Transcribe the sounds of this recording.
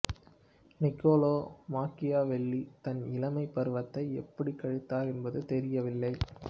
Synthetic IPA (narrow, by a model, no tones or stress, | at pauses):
nɪkːoːloːmaːkɪjaːʋɛɭːit̪ɐnɪlɐmɐɪpːɐɾɯʋɐt̪ːɐɪɛpːɐɽikɐɻɯt̪ːaːɾɛnbɐðɯt̪ɛɾɪjɐʋɪlːɐɪ